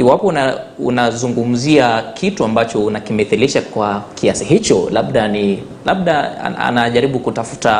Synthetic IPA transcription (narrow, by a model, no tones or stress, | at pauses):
iwapɔnṵnazuŋɡum̩ziakʰituambat͡ʃɔunakimɛθiliʃakwakʰiasiɦit͡ʃɔ̰laɓɗani | laɓ̚ɗa̰a̰naʄaɾiɓukutafu̥ta